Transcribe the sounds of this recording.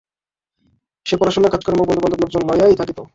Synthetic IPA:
ʃepɔɾaʃonakad͡ʑkɾmok̚bɔnd̪oɔnd̪obloɡd͡ʑonlɔjajt̪ʰakit̪o

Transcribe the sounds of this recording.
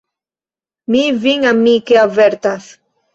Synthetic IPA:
miviŋamikeavɛɾt̪as

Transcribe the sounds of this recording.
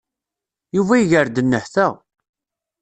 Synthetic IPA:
juvæiʝəɾd̪ənːəħθəʁ

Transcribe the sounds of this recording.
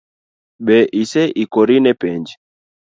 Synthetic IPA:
ɓɛʔisɛʔikɔɾinɛpɛnd͡ʒɛ

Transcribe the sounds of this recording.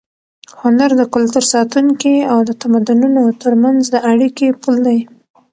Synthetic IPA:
hʊnaɾd̪əkʊlt̪uɾsɑt̪uŋkiawd̪ət̪amad̪ununot̪əɾmanzd̪əʔaɽikepuld̪aj

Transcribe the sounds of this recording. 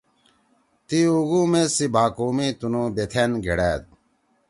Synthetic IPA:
t̪iuɡuːmesibʱaːkoːmiːt̪unõːbet̪ʰenɡʱḛɽæːd̪̚

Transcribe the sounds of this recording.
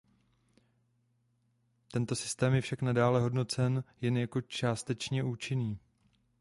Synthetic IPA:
t̪ɛnt̪o̞sɪst̪ɛːmjɛfʃaknadaːlɛɦo̞dno̞t͡sɛnjɛnjako̞t͡ʃaːst̪ɛt͡ʃɲɛʔuːt͡ʃɪniː

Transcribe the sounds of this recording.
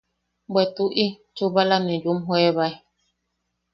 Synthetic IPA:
bɛtuʔi | t͡ʃubalamɛd͡ʒumɦwɛβaj

